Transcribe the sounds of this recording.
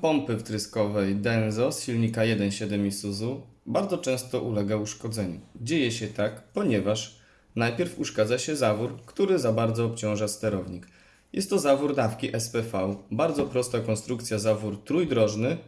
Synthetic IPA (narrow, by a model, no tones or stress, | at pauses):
pɔmpɘft̪ɾɘskɔvɛjd̪ɛnzɔsɕilɲikajɛd̪ɛnɕɛd̪ɛmisuzubaɾd̪zɔt͡ʂɛ̃w̃st̪ɔʔulɛɡauʂkɔd̪zɛɲud͡ʑejɛɕɛt̪akpɔɲɛvaʂ | najpʲjɛɾfuʂkad̪zaɕɛzavuɾkt̪uɾɘzabaɾd̪zɔːpt͡ɕɔ̃w̃ʐast̪ɛɾɔvɲik | jɛ̰st̪ːɔzavuɾd̪afkʲiʔɛspɛfawbaɾd̪zɔpɾɔst̪akɔnst̪ɾuk̚t̪sʲjazavuɾt̪ɾujd̪ɾɔʐnɘ